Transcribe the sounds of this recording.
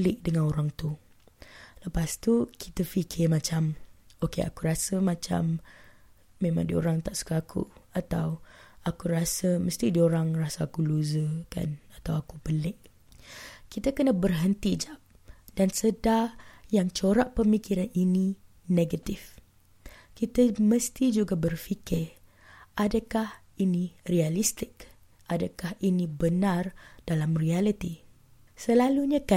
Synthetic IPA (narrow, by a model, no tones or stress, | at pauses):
əlɪʔ̚dəŋãnoɾaŋt̪u | ləpast̪ukʰit̪afikʰɪrmãt͡ʃamokḛa̰kuɾasəmãt͡ʃa̰mː | ẽmã̰ŋdio̰ɾaŋt̪aʔsu̥kaːkʰṵat̪awakuɾasəməst̪idioɾaŋrasaːkuluzəka̰nat̪awakubəlɪʔ | kit̪akənəbərɦənt̪id͡ʒap̚d̥ansədajaŋt͡ʃoɾaʔpəmikiɾanini | neɡat̪if | kit̪aməst̪id͡ʒuɡabərfikɪr | adakah | inirialist̪ɪk̚ | ʔadakahinĩbənãrd̥alamrialit̪i | səlaluɲaka